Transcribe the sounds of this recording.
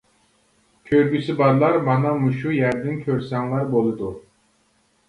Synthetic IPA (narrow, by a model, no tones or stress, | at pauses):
kʲʰøɾɡʲysɪbɑɾlˠɑɾmɑnɑmuʃujæɾd̪ɪnkʲʰøɾsɛŋlˠæɾbolˠɨd̪u